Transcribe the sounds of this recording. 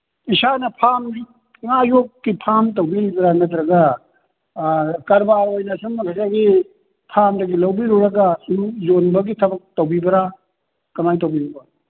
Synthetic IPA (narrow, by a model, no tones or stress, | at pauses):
isanɐpʰamdi | ŋajokːipʰamt̬ɐwbiɾibɐɾanɐt̪̬ɾɐɡa | kɐɾbaɾojnɐsuŋmɐkʰasaɡi | pʰamdɐɡilɐwbiɾuɾɐɡasuɾuzonbɐɡitʰɐbɐk̚tawbibɐɾa | kɐmajt̬owbiɾuba